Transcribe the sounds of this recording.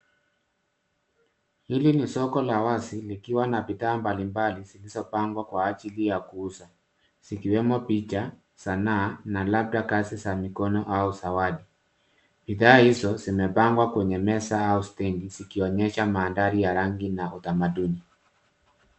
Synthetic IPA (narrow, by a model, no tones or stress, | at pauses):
hilinisɔkɔlawasilikiwanapitaːmbalimbalizilizɔpaŋɡwakwaːt͡ʃilijakuːsa | sikiwɛmɔpit͡ʃa | sananalap̚dakasisamikɔnɔʔausawaɗi | piðaːhizɔzimɛpaŋɡwakwɛɲɛmɛsaaustɛŋɡizikiɔɲɛʃamaːndaɾijaɾaŋɡinaʔutamaduni